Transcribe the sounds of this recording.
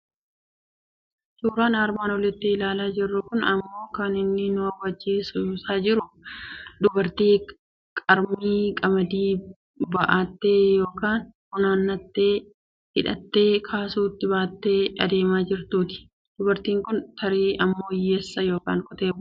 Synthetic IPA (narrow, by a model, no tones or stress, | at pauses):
t͡ʃuːɾaːnaːɾmaːnɔlɪt̪ːɪɪlaːlaːd͡ʒɪrːʊkʊnɐmːo̞ːkaːnɪnːɪnʊɐwɐd͡ʒːiːsʊsaːd͡ʒɪɾʊ | d̪ʊbɐɾt̪iː | kʼɐɾmiːkʼɐmɐd̪iː | bɐʔaːt̪ːe̞ːjo̞ːkaːnkʊnaːnːɐt̪ːeː | hɪᶑɐ̰t̪ːe̞ːkʰaːsuːt̪ːɪbaːt̪ːe̞ːɐ̰d̪e̞ːmaːd͡ʒɪɾt̪uːt̪ɪ̥ | d̪̥ʊbɐɾt̪iːŋkʊnt̪ɐɾiːɐmːo̞ːjɛsːɐjo̞ːka̰ːŋkɔt̪e̞ːb